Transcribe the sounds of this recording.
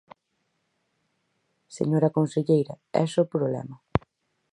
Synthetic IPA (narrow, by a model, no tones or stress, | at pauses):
sḛɲoɾɐkõnseʎejɾɐ | ɛ̰sopɾoβlɛ̰mɐ